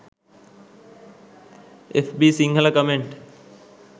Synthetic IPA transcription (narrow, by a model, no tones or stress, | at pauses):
efbisiŋɡʱəlakəmeɳʈ